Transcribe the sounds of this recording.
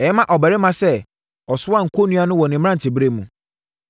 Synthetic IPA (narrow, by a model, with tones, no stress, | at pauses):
ɛ˨˦mã˦ʔɔ˨bɛ˨ɾɪ˦mã˦sɛ˦˨ | ɔ˨sʊ˦a˦ŋ̩˨kʰo˦nũ˦a˦nʊ̃˦wɔ˨nɪ̃˨m˦ã˦n̩˨tʰɪ˨bɾe˦˨mũ˨